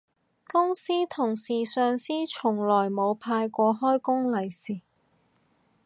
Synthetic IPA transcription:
kʊ˥ŋsiː˥t̪ʰʊ˨˩ŋsiː˨˩sœː˨ŋsiː˥t͡ʃʰʊ˨˩ŋlɔː˨˩jmo˨˧wpʰaː˧jkʷɔː˧hɔː˥jkʊ˥ŋlɐ˨˩jsiː˨˩

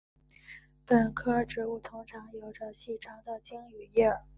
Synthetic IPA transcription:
pə˨˩nkʰɤ˥ʈ͡ʂɻ̩˧˥u˥˩t̪ʰʊ˥ŋʈ͡ʂʰɑ˧˥ŋjo˨˩ʊʈ͡ʂə˧ɕi˥˩ʈ͡ʂʰɑ˧˥ŋd̪ə˨t͡ɕi˥ŋy˨˩jɛ˥˩

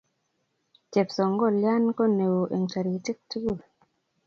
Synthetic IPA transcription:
t͡ʃe˨psɔ˨ŋɡɔ˦˨lja˦nko˦ne˨wo˨ʔe˨ŋt͡ʃa˨ɾi˨ti˦k̚tu˦ɡu˦˨l

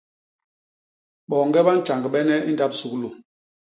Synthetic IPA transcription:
ɓɔ˨ŋɡɛ˦ɓa˦n̩˦t͡ʃa˨ŋɡɓɛ˦nɛ˦i˦n˦da˦p̚su˨klo˨

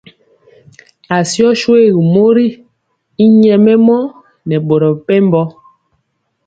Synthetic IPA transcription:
a˨sjɔ˦ʃwe˦˨ɣi˨mo˦ɾi˦ | i˦ɲɛ˨mɛ˦mɔ˦ | nɛ˨ɓo˨ɾɔ˨pɛ˦m˦bɔ˦

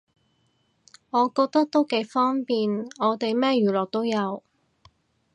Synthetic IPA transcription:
ŋɔː˨˧kɔː˧k̚t̪ɐ˥k̚t̪o˥wke˨˥jfɔː˥ŋpiː˨nɔː˨˧t̪e˨jmɛː˥jyː˨˩lɔː˨k̚t̪o˥wjɐ˨˧w

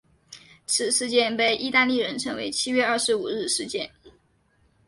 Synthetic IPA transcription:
t͡sʰɹ̩˨˩ʂɻ̩˥˧t͡ɕjɛ˥˧npe˥˩ɪʔi˥t̪a˥˧nli˥˩ɻə˧˥nʈ͡ʂʰɤ˧˥ŋwe˧˥ɪt͡ɕʰi˥ɥɛ˥˧ɐ˥˩ʂɻ̩˧˥u˨˩ɻɻ̩˥˧ʂɻ̩˥˧t͡ɕjɛ̰˥˩n

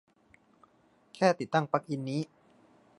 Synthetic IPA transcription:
kʰɛː˥˩t̪i˨˩t̪ːa˥˩ŋpa˦˥k̚ʔi˧nːiː˦˥

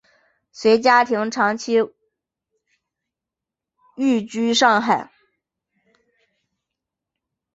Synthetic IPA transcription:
swe˧˥ɪt͡ɕja˥t̪ʰi˧˥ŋʈ͡ʂʰɑ˧˥ŋt͡ɕʰi˥ | y˥˩t͡ɕy˥ʂɑ˥˧ŋxa˥˨˩ɪ

